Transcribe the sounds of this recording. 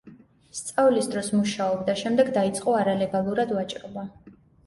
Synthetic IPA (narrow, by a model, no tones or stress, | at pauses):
st̪sʼavlisd̪ɾɔsmuʃaɔbd̪aʃɛmd̪ɛɡd̪ait̪sʼqʼɔaɾalɛɡalˠuɾad̪vat͡ʃʼɾɔba